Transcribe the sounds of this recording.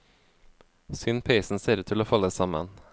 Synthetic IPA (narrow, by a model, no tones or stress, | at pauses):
sʏnpʰeɪsn̩seːɾət̪ʰɪloːfɑlːəsɑmə̰n